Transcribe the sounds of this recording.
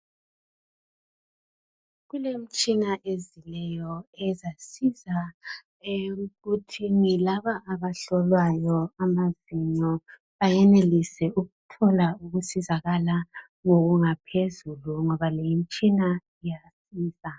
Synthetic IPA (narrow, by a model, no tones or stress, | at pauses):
ɣulem̩t͡ʃʼinaʔezilɛjɔɛzasiza | ɣutʰiŋilaβaʔːβaɬɔlwajɔamaziɲɔ | βajɛnelisɛuɣutʰɔlauɣusizaɣala | ŋoɣuŋapʰezuluŋɔβalejim̩t͡ʃʼina | ijasiːsa